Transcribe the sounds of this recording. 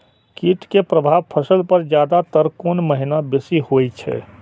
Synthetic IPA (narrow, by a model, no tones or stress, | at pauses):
kiʈkepɾəbʱaːbpʰəsəlpəɾd͡ʒjaːd̪at̪əɾkonməɦinabesihot͡ʃʰɛ̰